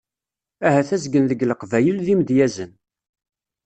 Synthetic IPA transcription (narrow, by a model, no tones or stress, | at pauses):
æhæθæzɡənðəɡləqvæjəlðimd̪jæzən